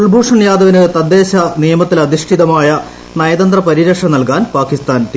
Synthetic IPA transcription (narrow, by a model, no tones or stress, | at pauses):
uɭbʱuːʂɐɳjaːd̪ɐʋinuɽet̪ɐd̪ːe̞ːɕɐnijɐmɐt̪ːilɐd̪iʂʈʰiðɐmaːjɐ | nɐjɐd̪ɐnd̪rɐpɐɾiɾɐkʂɐnɐlkaːnpaːkist̪aːnt̪i